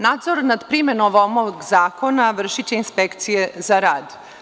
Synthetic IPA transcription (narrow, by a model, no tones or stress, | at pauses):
naːd̪zoɾnad̪pɾime̞noʋomoɡzaːko̞naʋr̩ʃit͡ɕeinspekt̪sije̞zaɾaːd̪